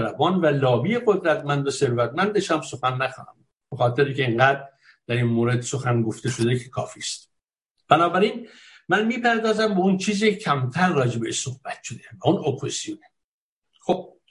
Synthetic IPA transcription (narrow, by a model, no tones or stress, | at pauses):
ɾæbɒːnvælɒːbijeɣod̪ɾæt̪mænd̪ose̞ɾvæt̪̚mænd̪eʃæmso̞xænːæxɒ̰ːnæ̰m | bexɒːt̪ʰeɾicʲeeŋɡæːd̪ɾ | d̪̥æɾinmoːɾe̞d̪so̞xænɡo̞ft̪e̞ʃo̞d̪ecʰe̥kʰɒːfiːst̪̚ | b̥ænɒːbæɾiːn | mænmiːpæɾd̪ɒːzæmbeunt͡ʃʰiːziːecʰæmt̪ʰæɾːɒːd͡ʒebeeʃso̞hb̥æt̪ʃʰo̞d̪ebæunopʰozz̥ijone | xob̥̚